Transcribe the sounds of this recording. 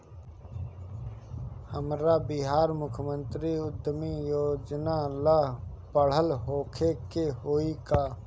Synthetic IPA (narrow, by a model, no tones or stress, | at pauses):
həmɾabɪɦaːɾmʊkʰəmə̃nt̪ɾiʊd̪ʱːəmijoːd͡ʒnalapəɽ̤əlɦoːkʰekeɦoːikaː